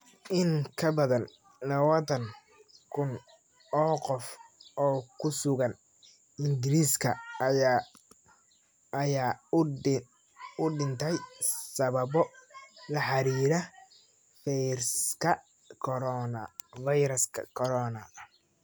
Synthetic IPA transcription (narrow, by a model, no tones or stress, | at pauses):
ʔɪŋkʰɐbɐðɐn | lɐwɐðɐŋ | kʰʊn | ɔːqɔfɔːkʰʊsʊɣɐn | ɪŋɡɪɾiːskʰɐ | ɐjaː | ʊɖɪnt̪ʰɛjsɐβɐbɔlɐħɑɾiːɾɐ | fɛjɾskʰɐ | kʰɔɾɔnɐ̰fɐjɾɐskʰɐ̰kʰɔɾɔnɐ